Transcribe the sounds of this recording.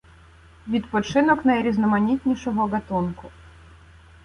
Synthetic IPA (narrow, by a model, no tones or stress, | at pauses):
ʋʲit̪pɔt͡ʂɪnɔknɐjɾʲiznɔmanʲit̪ʲnʲiʂɔɦɔɡɐt̪unkʊ